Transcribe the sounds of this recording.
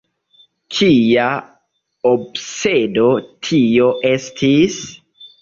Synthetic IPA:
kʰia | obsedo̞tʰijo̞ʔe̞stʰis

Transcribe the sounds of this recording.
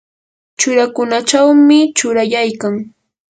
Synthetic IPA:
t͡ʃʊɾakʊnat͡ʃawmɪt͡ʃʊɾajajkaŋ

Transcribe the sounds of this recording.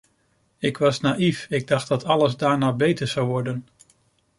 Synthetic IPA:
ɪkʋɑsnaːifɪɡ̚dɑχt̚dɑtɑləzdaːɹnaːbejtəɹzɑwʋɔɹdən

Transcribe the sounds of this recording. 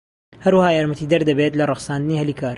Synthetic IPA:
hɐɾwɐhaːjaːɾmɐt̪iːd̪ɐɾd̪ɐbet̪lɐrˤɨxsaːnd̪ɨniːhɐliːkaːɾ

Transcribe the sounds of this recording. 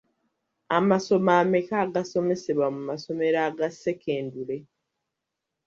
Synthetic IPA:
amaso̞maːme̞kaːɡaso̞me̞seβwamumaso̞me̞ɾaːɡase̞ke̞ːndule̞

